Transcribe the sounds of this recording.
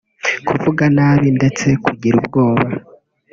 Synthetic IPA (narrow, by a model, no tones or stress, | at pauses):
kʰuvuɡanaːβinde̞t͡se̞kʰuɟiɾub̚ɡo̞ːβa